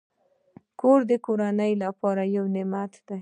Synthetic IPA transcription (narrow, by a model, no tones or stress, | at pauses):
koɾd̪əkoɾanəjlapɑɾajawnɪmat̪d̪̥aj